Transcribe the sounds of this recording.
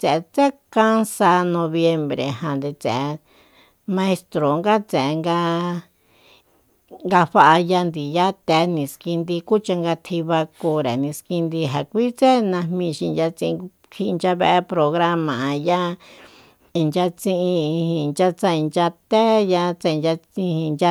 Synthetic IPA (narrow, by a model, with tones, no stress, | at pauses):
t͡se˨ʔe˧t͡se˦kã˦nsa˧nõ˧βje˧mbɾḛ˨ɦã˨nd̪e˧t͡sḛ̃˨e˧ | mã˧e˧st̪ɾo˨ŋɡa˦t͡se˨e˧ŋɡa˧ | ŋɡa˧ɸa˧ʔa˧ja˧nd̪i˨ja˦t̪e˧˦nĩ˨ski˧nd̪i˧ku˦t͡ʃa˧ŋɡa˧t̪ʰi˧βa˧ku˧ɾe˨nĩ˧ski˧nd̪i˧ɦa˨kʷi˦t͡se˦nã˧mmĩ˧ʃi˧d͡ʒa˧t͡sĩ˧ĩ˧ | hi˧nd͡ʒa˧βe˦˧ʔe˧pɾo˧ɣɾa˦mã˨ja˦ | i˧nd͡ʒa˧t͡sĩ˦˧ʔĩ˧i˧hĩ˧˨˧nt͡ʃa˧t͡sa˧i˧nd͡ʒa˧t̪e˦ja˧t͡sa˧i˧nd͡ʒa˧ĩ˧hĩ˧nd͡ʒa˧